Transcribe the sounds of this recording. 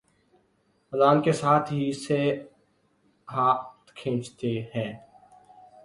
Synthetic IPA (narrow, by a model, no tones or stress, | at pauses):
əzaːnkesaːt̪ʰɦise | ɦaːt̪kʰẽːt͡ʃt̪eɦɛ̃ː